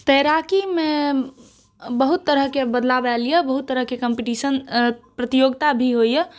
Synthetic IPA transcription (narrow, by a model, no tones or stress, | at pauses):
t̪əɾakimẽ | bəɦut̪ːəɾəɦkebəd̪labɛlijebəɦut̪ːəɾəɦkekəmpiʈisənpɾət̪ijoɡt̪abʱiɦoje